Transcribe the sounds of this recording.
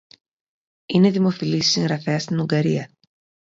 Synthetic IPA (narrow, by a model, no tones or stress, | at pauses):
ine̞ðimo̞filisi̥siŋɣɾɐfe̞ɐst̪inuŋɡɐɾiɐ